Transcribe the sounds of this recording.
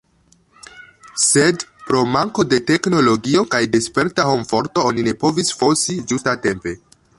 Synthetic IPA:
se̞dpɾo̞maŋko̞de̞te̞kno̞lo̞ɡio̞kajde̞spe̞ɾtaho̞mfo̞ɾto̞onine̞po̞visfo̞sid͡ʒustate̞mpe̞

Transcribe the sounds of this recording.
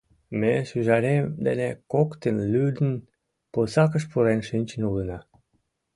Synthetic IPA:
meʃyʒɑɾemd̪ḛnekokt̪enlyd̪ən | posɑkəʃpuɾenʃinʲt͡ɕə̆nulənɑ

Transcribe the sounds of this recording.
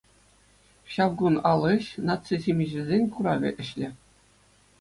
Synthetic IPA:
ɕɑʋɡunɑlˠɤ̆ɕnɑt͡sɨzʲimʲiʑɘ̆zʲenʲkuɾɑʋʲɘ̆ʔɘ̆ɕlʲɘ̆

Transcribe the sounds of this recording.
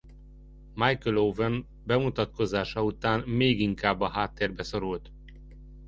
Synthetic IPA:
majkəlovɛn | bɛmut̪ɒt̪ko̞zaːʃɒut̪aːnmeːɡiŋkaːbːɒɦaːt̪ːeːrbɛso̞ɾult̪

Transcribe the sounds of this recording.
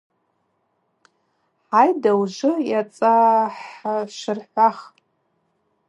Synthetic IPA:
ħajdawʒʷɨjat͡sʼaħaʃɨrħʷaχ

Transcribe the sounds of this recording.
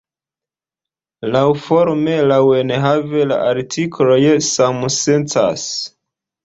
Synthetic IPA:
lawfo̞ɾmelaweneɦavela̰ʔaɾtʰikɾo̞jsamusent͡sa̰s

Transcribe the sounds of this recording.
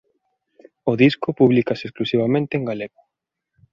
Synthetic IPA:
ʊðiskopuβlikasesklusiβ̞amẽnt̪eːŋɡaleɣo

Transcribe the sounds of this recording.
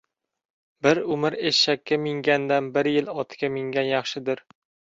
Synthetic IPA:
bɪɾʊmɪɾeʃakʲːamɪŋɡʲand̪anbɪɾjɪlɒt̪ʰkʲamɪŋɡʲanjɑχʃɪd̪ɪɾ

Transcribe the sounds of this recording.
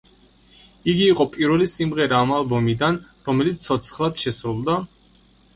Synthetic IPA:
iɡiːqʼɔpʼiɾvɛlisimʁɛɾaːmalˠbɔmid̪an | ɾɔmɛlit̪sʰɔt̪sʰχlˠad̪̥ʃɛsɾulˠd̪a

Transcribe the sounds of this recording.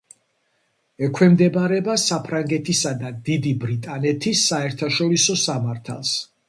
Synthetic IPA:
ɛkʰwɛmd̪ɛbaɾɛbasapʰɾaŋɡɛt̪ʰisad̪ad̪id̪ibɾit̪ʼanɛt̪ʰisːaɛɾt̪ʰaʃɔɾisɔsamaɾt̪ʰa̰lˠs

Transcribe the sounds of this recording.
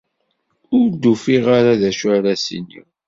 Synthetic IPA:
ʊɾd̪ufiʁaɾaðæʃæɾæsḭnḭ

